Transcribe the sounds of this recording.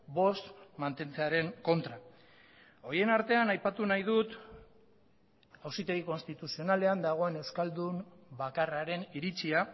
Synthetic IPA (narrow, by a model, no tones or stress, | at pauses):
bo̞st̪mant̪e̞nt͡se̞aɾe̞ŋko̞nt̪ɾa | o̞ɾje̞naɾt̪e̞anajpat̪unajðut̪ | awsit̪e̞ɣiko̞nst̪it̪usio̞nale̞and̪aɣ̞o̞e̞ne̞wskald̪umbakaraɾe̞niɾit͡sia